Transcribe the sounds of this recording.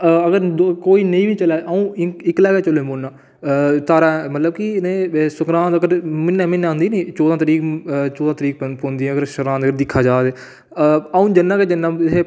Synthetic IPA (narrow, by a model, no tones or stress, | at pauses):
əɡəɾkoːiːnəĩːʋĩːt͡ʃəlaːʔũːɪɪklɛːɡeːt͡ʃəloːmoːnːãː | t̪aːɾãːmət̪ləb̚kineːsʊkɾãːd̪əɡəɾmɪnɛ̃ːmɪñːnd̪iːniːt͡ʃoːd̪ãːt̪əɾiːkt͡ʃoːd̪ãːt̪əɾiːkpond̪iːɛ̃ːəɡəɾʃəɾãːnd̪əɡəɾd̪ɪkʰːaːd͡ʒaːd̪eː | əũːd͡ʒənːãːked͡ʒənːãːeː